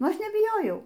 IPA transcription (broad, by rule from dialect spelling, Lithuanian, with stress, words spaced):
ˈɐʃ nʲɛbʲɪˈjoːjɛʊ